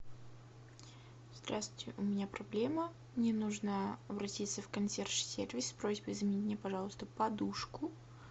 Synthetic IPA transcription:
z̥d̪ɾastʲɪʔʊmʲɪnʲapɾɐblʲemə | mnʲenuʐnəɐbɾɐtʲit̪səfkɐnsʲerʂsʲervʲɪsʲpɾozʲbəjzəmʲɪnʲitʲɪnʲepɐʐɑlˠəst̪əpɐd̪uʂkʊ

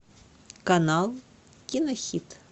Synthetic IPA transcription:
kanalˠ | kʲinɐxʲit̪

